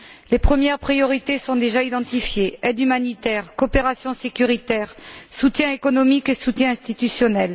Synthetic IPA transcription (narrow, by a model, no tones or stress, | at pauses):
lepχəmjɛʁpχijɔʁit̪esɔ̃d̪eʒaid̪ɑ̃t̪ifjeɛd̪ymanit̪ɛʁkɔpeʁasjɔ̃sekʲyʁit̪ɛʁsut̪jɛ̃ekɔnɔmikesut̪jɛ̃ɛ̃st̪it̪ysjɔnɛl